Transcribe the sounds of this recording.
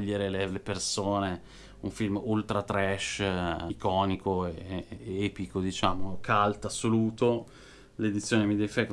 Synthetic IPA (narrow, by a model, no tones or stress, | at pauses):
ʎːeɾelelepersoːne | uɱfilmult̪ɾat̪ɾɛʃkɔːnikoeɛːpikod̪it͡ʃaːmokʰalt̪asːoluːt̪o | led̪it̪sːjoːnemid̪ɛvifaɾek